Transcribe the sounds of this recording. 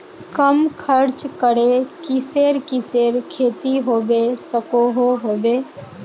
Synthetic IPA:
kəmkʰəɾt͡ʃkəɽekɪseːɾkɪseːɾkʰeːt̪iɦoːʋeːsəkoːɦoɦoːʋeː

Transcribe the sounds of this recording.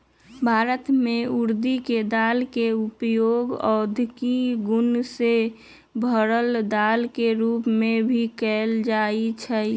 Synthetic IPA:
bʱaːɾət̪mẽuɾd̪iked̪aːlkeupjoɡɔ̰d̪ʱkiɡʊnse | bʱəɾəld̪aːlkeɾuːpmẽbʱikɛld͡ʒaːit͡ʃʰɛ

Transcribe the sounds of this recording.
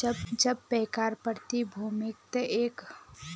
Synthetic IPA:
d͡ʒbd͡ʒəb̚pɛːkaɾpəɾt̪ibʱumɪk̚t̪əʔeːk

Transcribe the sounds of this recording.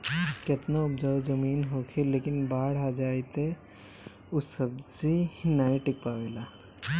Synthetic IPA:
ket̪naʊpd͡ʒaːwzəmiːnɦokʰileːkɪnbaːɽ̤ad͡ʒaːjt̪e | usəb̚d͡ʒihnaːiʈɪk̚pawela

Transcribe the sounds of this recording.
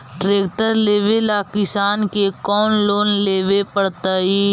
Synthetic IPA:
ɖɾeːk̚ʈəɾleːʋelaːkɪsaːnkekɔːnloːnleːʋepəɽt̪aːɦiː

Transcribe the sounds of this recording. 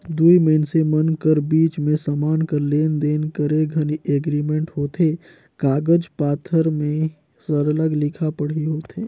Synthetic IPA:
d̪uiməɪnsemənkəɾbiːt͡ʃmẽsəmaːnkəɾleːnd̪eːnkəɾeɡʱəniʔeɡɾimẽɳʈɦoːt̪ʰe | kaːɡəd͡ʒpaːt̪ʰəɾmẽ | səɾələɡlɪkʰapəɽ̤iɦoːt̪ʰeː

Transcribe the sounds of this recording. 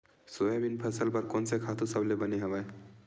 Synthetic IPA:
sojabinpʰəsəlpʌɾkonsekʰat̪ʰusəblebəneɦəbaj

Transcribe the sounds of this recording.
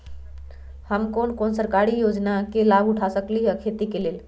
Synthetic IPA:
həmkonkonsəɾkaɾijod͡ʒnakelaɡuʈʰasəkliɦəkʰet̪ikelel

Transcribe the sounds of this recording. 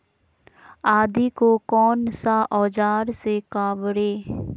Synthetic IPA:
aːd̪ikokɔːnsaʔɔːd͡ʒaːɾsekaːʋɾeː

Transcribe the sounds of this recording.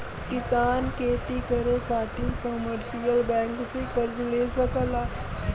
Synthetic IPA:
kɪsaːnkʰeːt̪ikɐɾẽkʰaːt̪ikoməɾsijəlbɛ̃ːŋksekəɾd͡ʒleːsəkəlaː

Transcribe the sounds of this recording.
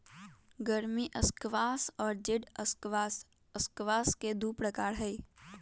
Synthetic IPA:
ɡəɾmiʔəskʋaːsɔːɾd͡ʒɪɖəskʋaːs | əskʋaːsked̪uːpɾəkaːɾɦɛi

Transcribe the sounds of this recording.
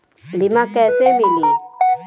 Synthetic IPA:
limakɛsemili

